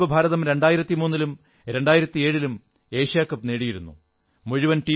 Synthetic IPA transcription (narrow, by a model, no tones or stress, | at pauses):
ʋɐbʱaːɾɐðɐmɾe̞ɳɖaːjiɾɐt̪ːimuːnːilum | ɾe̞ɳɖaːjiɾɐt̪ːie̞ːɻilum | e̞ːʂjaːkːɐpːneːɽijiɾunːṵ | muɻuʋɐnʈiː